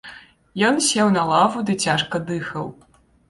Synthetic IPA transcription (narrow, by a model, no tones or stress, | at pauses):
jɔnsʲɛwnɐlˠavud̪ɨt͡sʲaʂkɐd̪ɨxɐw